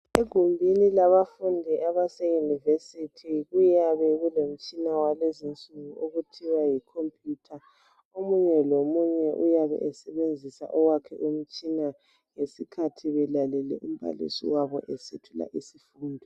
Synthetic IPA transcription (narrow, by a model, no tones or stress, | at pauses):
eɡ̥ʱumbʱinilaβafundʱiʔaβasejunivesitʰiɣujaβɛɣɛlom̩t͡ʃʼinawalezint͡sʼuɣuʔoɣutʰiwajikʰompʰʼjuːtʰa | omuɲɛlomuɲɛʔujaβɛ̰ʔɛsɛβend͡zʱisa̰ʔɔwakʰɛ̰ʔum̩t͡ʃʼina | ŋesikʰatʰiβɛlalɛlɛ̰ʔum̩βa̰lḭsḭwaβɔ̰ʔɛsetʰula̰ʔisifuːndʱɔ